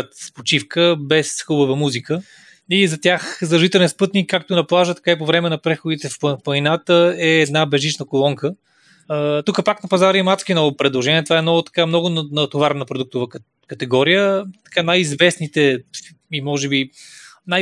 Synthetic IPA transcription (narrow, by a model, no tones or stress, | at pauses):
t̪spot͡ʃifkəbɛsxubəvəmuzikə | izɐt̪ʲjaxzɐʒit̪ɛlɛnspɤt̪nikːak̚t̪onɐplˠaʒət̪ɐ̥kaipovɾɛmɛnɐpɾɛxʊd̪it̪ɛffpɐjnat̪əɛːd̪nabɛʒit͡ʃnəkolˠɔŋkə | ət̪ukəpaknɐpɐzaɾimat̪skʲinɔvʊpɾɛd̪lˠoʒɛnʲiɛt̪vaɛnɔʊt̪ɐ̥kamnɔɡʊnnɐt̪ovaɾnəpɾod̪uk̚t̪ʊvə | kɐt̪ɛɡɔɾijət̪ɐ̥kanajizvɛsnit̪ɛ | imɔʒɛbinaj